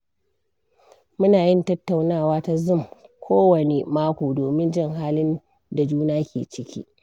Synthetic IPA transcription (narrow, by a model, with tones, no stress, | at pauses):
mʊ˦naː˨jɪ˦˨ntɐ˦tːa˨wnaː˦˨waː˦ta˦zʊ˦˨mkʷʰoː˦wɐ˨ne˨maː˦kʷoː˨doː˨mɪ˦nd͡ʒɪ˦ŋɦaː˦lɪ˦n | da˨d͡ʒuː˦naː˦kʲḛː˨t͡ʃɪ˦kʲḭː˦